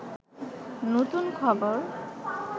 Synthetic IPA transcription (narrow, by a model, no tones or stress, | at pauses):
not̪unkʰɔboɾ